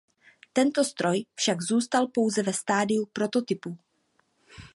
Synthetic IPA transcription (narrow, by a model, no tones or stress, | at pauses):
t̪ɛnt̪o̞st̪ɾo̞jfʃaɡzuːst̪alpo̞wzɛvɛst̪aːdɪupɾo̞t̪o̞t̪ɪpu